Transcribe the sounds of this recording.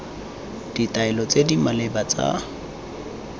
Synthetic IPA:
d̥itʼaɛlɔt͡sʼedimalebat͡sʼa̰

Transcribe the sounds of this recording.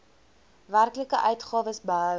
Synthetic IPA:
værkləkəʔœɥtχɑːvəsbəɦœ

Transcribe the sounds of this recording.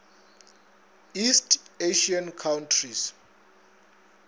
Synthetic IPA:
istʰeʃiankʰawntʰris

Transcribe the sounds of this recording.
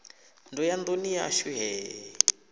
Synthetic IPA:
ndɔjand̪onija̰ʃuɦɛː

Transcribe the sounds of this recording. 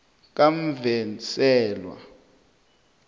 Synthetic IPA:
k̬am̩vɛsɛːlwa̰

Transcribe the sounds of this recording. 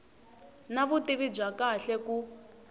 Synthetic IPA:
naβutiβib͡ʐakaɬɛku

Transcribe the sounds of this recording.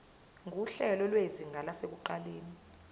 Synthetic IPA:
ŋuɬɛlɔlweziŋʱalasek̬uǃaleːni

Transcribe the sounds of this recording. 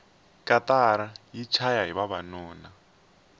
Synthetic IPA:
kʼatʼaɾajit͡ʃʰajaɦiβaβanɔːna

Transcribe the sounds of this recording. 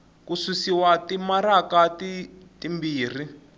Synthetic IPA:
kuswisiwatimaɾakatitimbiːr̤i

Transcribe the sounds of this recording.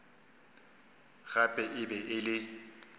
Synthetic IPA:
ɣapʼɛʔɪbɛʔɪlɪ

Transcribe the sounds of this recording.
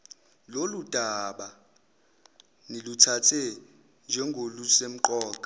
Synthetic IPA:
lolud̥ʱaɓa | nilutʰatʰɛ | nd͡ʒʱɛŋɡʱolusem̩ǃɔːǃʼa

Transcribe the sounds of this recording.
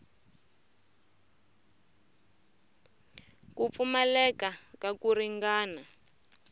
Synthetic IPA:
kup̪fumɛlɛkakakuriŋɡaːna

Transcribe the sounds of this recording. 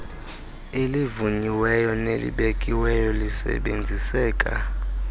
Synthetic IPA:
elivuɲiwɛjɔnelḭɓekʼiwɛjɔlisɛ̰ɓend͡zʱisɛːkʼa̰

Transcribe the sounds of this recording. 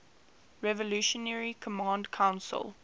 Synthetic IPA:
ɹɛvɔluʃɔnɛɹikʰɔmãndkʰãʊ̃nsə̰lˠ

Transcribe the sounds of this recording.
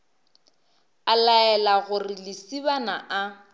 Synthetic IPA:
alaɛlaɣʊrɪlɪsibanaʔa

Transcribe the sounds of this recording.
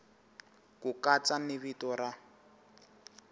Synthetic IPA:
kukat͡sanɪβitɔra

